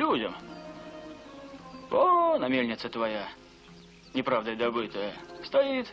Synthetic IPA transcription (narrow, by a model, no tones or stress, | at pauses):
lʲudʲəm | onɐmʲelʲnʲɪt̪sət̪vɐja | nʲɪpɾavd̪əjəd̪ɐbɨt̪əjəst̪ɐit̪